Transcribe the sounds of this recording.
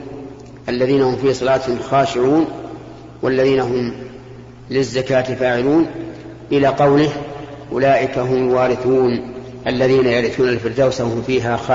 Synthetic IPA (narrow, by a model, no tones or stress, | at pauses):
ʔalːaðiːnahʊmfiːsˤɑlɑːt̪hɪmxaːʃɪʕuːn | walːaðiːnaɦʊm | lɪzːakaːt̪ɪfaːʕɪluːn | ʔɪlaːqɑwlɪhʔʊlaːʔɪkaɦʊmʊlwaːɾɪθuːn | ʔalːaðiːnajaɾɪθuːnalfɪɾd̪aːwsawhʊmfiːɦaːx